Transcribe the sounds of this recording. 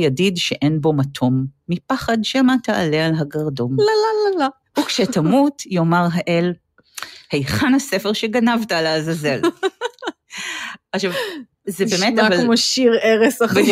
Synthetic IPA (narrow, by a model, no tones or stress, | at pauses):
jadidʃeʔenbo̞matʰo̞mːipaχadʃemataa̰lealɦaɡaʁdo̞nlalalala | hukʃetamutjomaʁɦaʔel | hejχanhase̞feʁʃeɡanavtaleazazel | aχʃav | zebemetavalmoʃiʁeʁesav